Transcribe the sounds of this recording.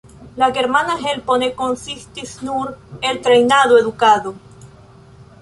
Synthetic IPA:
lakeɾmanaɦelponekonsist̪isnuɾelt̪ɾejnaðoeðukaðo

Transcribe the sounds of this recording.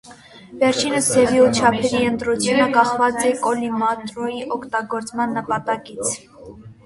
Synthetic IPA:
vɛɾt͡ʃʰinəst̪ʰɛviut͡ʃʰɑpʰɛɾiənt̪ɾut͡sʰjunəkɑχvɑt͡sɛkɔlimɑt̪ɾɔjiʔɔkʰt̪ɑɡɔɾt͡smɑnːəpɑt̪ɑkit͡sʰ

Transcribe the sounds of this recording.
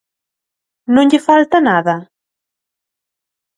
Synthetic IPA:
nõŋʎɪfalt̪anaðɐ

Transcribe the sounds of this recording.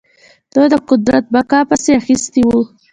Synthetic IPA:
d̪̥əd̪əqʊd̪ɾat̪̚bakɑpəseaxist̪iwu

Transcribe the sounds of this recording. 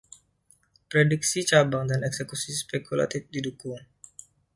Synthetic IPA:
pɾedik̚sit͡ʃabaŋdanɛksekusispekula̰t̪ifdidukʊŋ

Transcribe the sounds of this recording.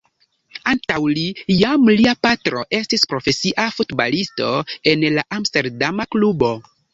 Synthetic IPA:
antawlijamliapatɾo̞ʔe̞stispɾo̞fe̞siʔafutba̰listo̞e̞nlaʔamste̞ɾdamaklubo̞

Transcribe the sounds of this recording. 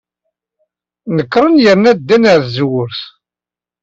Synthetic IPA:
nəkːɾˤənjəɾnæd̪ːænəɾθzwʊɾθ

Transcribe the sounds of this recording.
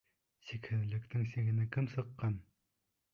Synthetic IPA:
sikhɘ̆nlɘ̆kt̪ɘŋseɡɘ̆nɘkʰɘmsɤ̆qːɑn

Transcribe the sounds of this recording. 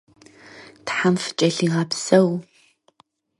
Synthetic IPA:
tħamfɨ̥t͡ʃʼɐɬiːʁɑpsɐw

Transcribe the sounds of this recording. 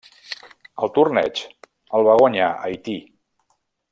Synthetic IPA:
əlˠt̪urnɛ̰t͡ʃ | əlˠβaɣuɲaʔəjt̪i

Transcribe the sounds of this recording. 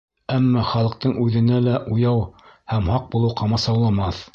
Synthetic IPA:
æmːɑχɑlˠɤ̆q̚t̪ɤɴʉðɘ̆nælæʔujɑwhæmhɑq̚bulˠɤwqʰɑmɑsɑwlˠɑmɑθ

